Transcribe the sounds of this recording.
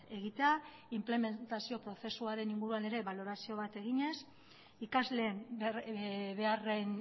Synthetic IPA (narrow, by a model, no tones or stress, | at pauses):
e̞ɣ̞it̪e̞a | imple̞me̞nt̪asio̞pɾo̞θe̞suaɾe̞niŋɡuɾuane̞ɾe̞βalo̞ɾasio̞β̞at̪e̞ɣiɲe̞s | ikazle̞ːm | βe̞are̞n